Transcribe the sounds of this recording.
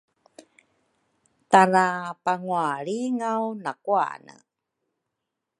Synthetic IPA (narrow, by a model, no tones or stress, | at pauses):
taɾapaŋuaɭiŋawnakua̰nə̰